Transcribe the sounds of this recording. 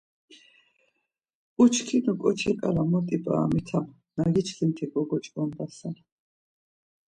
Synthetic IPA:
ut͡ʃʰkʰinukʼɔt͡ʃʰɛkʼalamɔt̪ʼipʼa̰ːmit̪ʰam | naɡit͡ʃʰkimt̪ʰɛɡɔɡɔt͡ʃʼvɔmd̪asan

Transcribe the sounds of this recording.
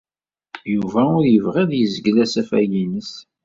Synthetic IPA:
juvæʊɾjəvʁæðjəzəɡlæsæfæjinəs

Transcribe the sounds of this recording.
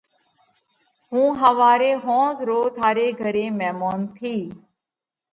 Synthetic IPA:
ɦũːɦəʋaːɾeːɦõːzɾoːt̪ʰaːɾeːɡʱəɾeːmɛːmaːnt̪ʰiː

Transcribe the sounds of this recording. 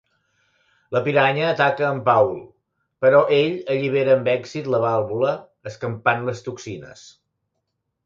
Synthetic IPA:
ləpiɾaɲəːt̪akəːmpawlˠ | pəɾɔʔeʎəʎiβ̞eɾəːmbɛɡzit̪ləβalˠβuləː | skəmpanləst̪uksinə̰s

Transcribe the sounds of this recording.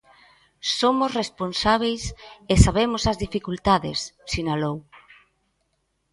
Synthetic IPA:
somʊsresponsaβ̞ejsesaβemʊsɐzðifikult̪aðḛsːinalow

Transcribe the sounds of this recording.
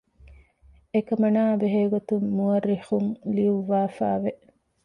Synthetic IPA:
ekɐmɐnaːbeɦeːɡot̪umːuɐɾːixuŋliuʋːaːfæːʋeʔ

